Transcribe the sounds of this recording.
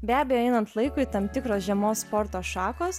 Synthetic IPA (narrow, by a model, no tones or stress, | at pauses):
bʲæːbʲejoɛɪnɐnt̪lˠɐɪkʊit̪ɐmt̪ʲɪkɾoːsʒʲɛmoːsspoːɾt̪oːʃɑːkoːs